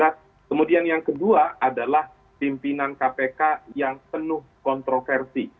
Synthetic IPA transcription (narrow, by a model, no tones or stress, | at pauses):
a | kəmudianjaŋkəduaadalah | pimpinankapekajaŋpənʊhkɔnt̪ɾofɛrsi